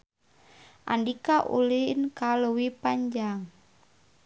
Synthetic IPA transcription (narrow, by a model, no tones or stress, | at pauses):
ʔa̰ndikaʔṵlinkaluwipaɲd͡ʒaŋ